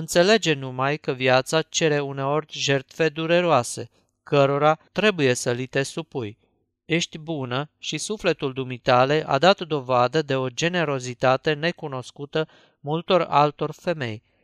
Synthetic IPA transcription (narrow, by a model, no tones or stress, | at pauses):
ɨnt̪se̞le̞d͡ʒe̞numajkəviat̪sat͡ʃe̞ɾe̞une̞o̞rʲʒe̞rt̪fe̞d̪uɾe̞ɾoase̞ | kəɾo̞ɾat̪ɾe̞buje̞səlit̪e̞supuj | e̞ʃt̪ʲbunəʃisufle̞t̪uld̪umit̪ale̞ʔa̰d̪at̪d̪o̞vad̪əd̪e̞o̞d͡ʒe̞ne̞ɾo̞zit̪at̪e̞ne̞kuno̞skut̪ə | mult̪o̞ra̰lt̪o̞rʲfe̞me̞̰j